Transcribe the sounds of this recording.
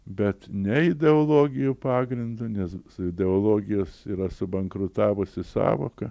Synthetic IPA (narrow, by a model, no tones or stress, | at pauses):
bʲɛt̪nʲɛɪd̪ʲɛolˠoːɡʲɪjʊpɑːɡɾʲɪnd̪ʊnʲɛssʊɪd̪ʲɛoːlˠoːɡʲɪjoːsiːɾɐsʊbɐŋkɾʊt̪ɑːʋʊsʲɪsɑ̰ːʋoːkɐ